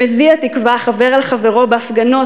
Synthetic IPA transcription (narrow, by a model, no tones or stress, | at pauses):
eziat̪ikvaχave̞ʁalχaveʁo̞beafɡano̞